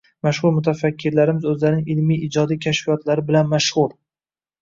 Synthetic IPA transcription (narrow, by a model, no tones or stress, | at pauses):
maʃʁʊɾmʊt̪ʰafakʲʰːɪɾlaɾɪmɪzɵzlaɾɪnɪŋɪlmijɪd͡ʒɒd̪ijkʲʰaʃfijɒt̪laɾɪbɪlanmaʃʁʊɾ